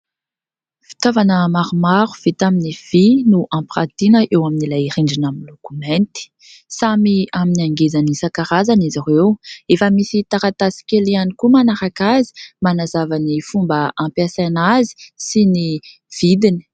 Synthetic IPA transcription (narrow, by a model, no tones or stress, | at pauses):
fi̥t̪avanəmaɾumaɾu̥v̥it̪aminiv̥inuʔãmprat̪inəʔewaminilajiɾiɳɖ͡ʐinamilokumɛ̃nt̪i̥ | samiaminaŋɡezanisakaɾazanizarewefəmisit̪aɾat̪asi̥kʲelianikumanaɾakazi̥manazavanifumbəʔãmpasajnazi̥sini | v̥id̪ini̥